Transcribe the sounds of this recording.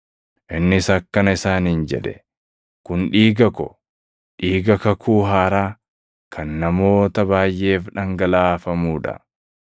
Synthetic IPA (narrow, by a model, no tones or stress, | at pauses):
ʔɪnːɪsɐkːɐnɐɪsaːnɪnd͡ʒɛ̰ᶑɛ | kʊnᶑiːɡɐkɔ̰ | ᶑiːɡɐkɐkʰuːɦaːɾaː | kʰɐnːɐmo̞ːt̪ɐbaːjʔe̞ːfᶑɐŋɡɐlaːfɐmuːᶑɐ̰